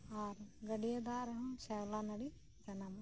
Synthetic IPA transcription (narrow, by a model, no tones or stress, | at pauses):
aːɾɡɐɽijɐd̪aːɾɐɦɐmʃɐlaːnɐɽi | t͡ʃɐnɐm